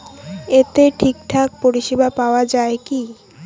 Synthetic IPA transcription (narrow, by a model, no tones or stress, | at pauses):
et̪eʈʰikʈʰak̚poɾiʃibapaoad͡ʑaeki